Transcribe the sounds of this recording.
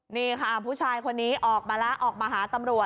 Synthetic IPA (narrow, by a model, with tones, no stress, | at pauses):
niː˧˥˩kʰa˥˩pʰuː˦˥˩t͡ɕʰaː˧jkʰo˧nːiː˦˥ʔɔː˨˩k̚maː˧la˦˥ʔɔː˨˩k̚maː˧ɦaː˩˦t̪a˧mɾu˨˩ə